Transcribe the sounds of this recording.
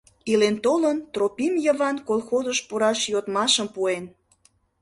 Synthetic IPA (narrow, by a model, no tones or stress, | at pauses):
ilent̪olənt̪ropimjəβɑnkolˠxozəʃpuɾɑʃjot̪mɑʃəmpuen